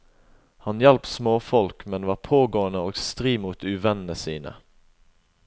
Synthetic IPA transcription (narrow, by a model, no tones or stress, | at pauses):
hɑnjɛlpt̪smoːfɔlkmɛnʋɑːʁpʰoːɡoːənəoːɡst̪ʁiːmuːt̪ʉːʋɛnnəsiːnə̰